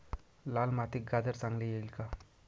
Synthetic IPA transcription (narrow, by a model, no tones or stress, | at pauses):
lalmat̪ik̚ɡad̪əɾt͡sãŋɡlejelka